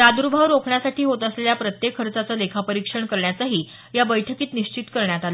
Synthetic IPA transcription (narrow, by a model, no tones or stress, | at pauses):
ɾad̪uɾubʱaʋɾokʰɳjasaʈʰiːɦot̪əsleljapɾət̪jekʰɦəɾt͡sat͡səlekʰapəɾikʂəɳkəɾɳjat͡saɦiː | jabəjʈʰəkiːt̪niɕt͡ɕit̪kəɾɳjat̪alə